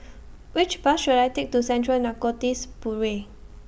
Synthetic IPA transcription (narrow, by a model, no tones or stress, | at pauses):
wit͡ʃbasʃuɾajtek̚tusɛ̃ntɹəlnakɔtispuɹe